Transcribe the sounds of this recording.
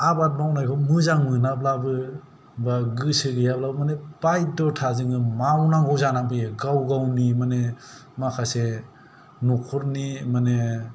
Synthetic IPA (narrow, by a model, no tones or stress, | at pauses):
abat̚mawnajkʰɔmɯzaŋmɯnap̚labɯ | baɡɯsɯɡɯjab̚labɯmanepajdɔtʰazɯŋɯmawnaŋɡɔwzanabɯjeɡawɡawnimane | makʰase | nukʰɔɾnimane